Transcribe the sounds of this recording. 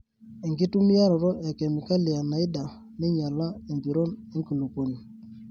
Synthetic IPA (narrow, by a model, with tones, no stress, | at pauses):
e˨ŋɡi˦tu˦mi˦a˦ɾɔ˨ɾɔ˦ʔe˨ke˨mi˨ka˦li˨a˨na˨i˦da˨ | nɪ˦ɲa˨la˦e˨mbi˨ɾo˦ne˦ŋki˨lu˨ko˨ni˨